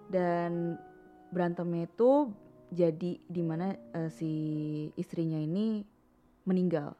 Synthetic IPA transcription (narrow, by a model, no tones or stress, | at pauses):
dan | bəɾant̪əmɲait̪ud͡ʒadidimanaəsiː | st̪ɾiɲaini | məniŋɡa̰l